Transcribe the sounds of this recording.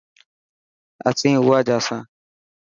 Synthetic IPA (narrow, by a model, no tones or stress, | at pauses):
ə̰t͡sʰĩːʊaːd͡ʒaːsãː